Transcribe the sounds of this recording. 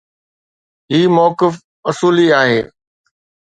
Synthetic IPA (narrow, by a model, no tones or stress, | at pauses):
ɦiːmɔːkɪf | ʊsuːliaːɦeː